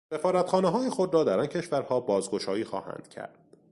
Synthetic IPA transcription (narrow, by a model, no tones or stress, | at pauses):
se̞fɒːɾæt̪xɒːneɦɒːjexod̪ɾɒːd̪æɾɒncʰe̞ʃvæɾhɒːbɒːzɡo̞ʃɒːjiːxɒ̰ːhæ̰ːnd̪̥cʰæ̰ɾd̪̥